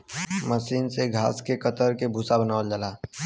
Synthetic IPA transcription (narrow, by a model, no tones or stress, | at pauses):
məsiːnseɡʱa̰ːskekət̪əɾkebʱusabənaːʋəld͡ʒalaː